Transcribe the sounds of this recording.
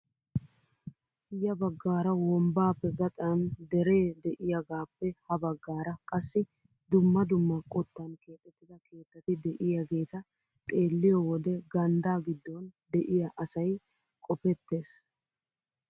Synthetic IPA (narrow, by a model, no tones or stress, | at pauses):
jɐbɐɡːaːɾɐwɔmbaːpːɛɡɐt̪ʼɐnd̪ɛɾe̞ːd̪ɛʔɪjɐɡaːpːɛhɐbɐɡːaːɾɐkʼɐsːɪ | d̪ʊmːɐd̪ʊmːɐkʼɔt̪ːɐnke̞ːt̪ʼːɛt̪ːɪd̪ɐke̞ːt̪ːɐt̪ɪd̪ɛʔɪjɐɡe̞ːt̪ɐ | t̪ʼe̞ːlːɪjɔwɔd̪ɛɡɐnd̪aːɡɪd̪ːɔnd̪ɛʔɪjɐʔɐsɐj | kʼɔpɛt̪ːe̞ːs